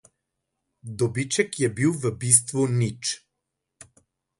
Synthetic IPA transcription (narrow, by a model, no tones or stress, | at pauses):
d̪obit͡ʃɛkjɛbilˠvəbis̬t̪vonit͡ʃ